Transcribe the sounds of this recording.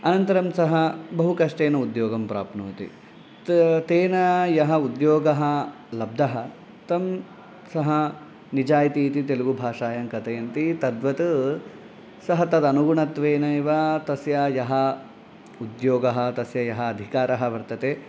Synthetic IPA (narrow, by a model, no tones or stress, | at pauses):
ɐnɐnt̪ɐɾɐmsɐɦɐbɐɦukɐʂʈeːnɐud̪joːɡɐmpɾa̰ːpnuːt̪ḭ | t̪eːnɐjɐɦɐud̪joːɡɐɦɐ | lɐb̚d̪ɐɦɐ | t̪ɐm | sɐɦɐ | nid͡ʒaːjt̪iːt̪it̪̬eluɡubʱaːʂaːjɐŋkɐt̪ɐjɐnt̪it̪ɐd̪ʋɐt̪ɨ | sɐɦɐt̪ɐd̪ɐnuɡuɳɐt̪ʋeːnɐiʋɐt̪ɐsjɐjɐɦɐ | ud̪joːɡɐɦɐ̆t̪ɐsjɐjɐɦɐːd̪ʱikaːɾɐɦɐʋɐɾt̪ɐt̪e